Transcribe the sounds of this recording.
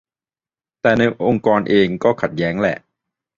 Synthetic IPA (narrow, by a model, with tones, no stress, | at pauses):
t̪ɛː˨˩na˧jʔo˧ŋkɔː˧nʔeː˧ŋkɔː˥˩kʰa˨˩t̪̚jɛː˦˥ŋlɛ̰˨˩ʔ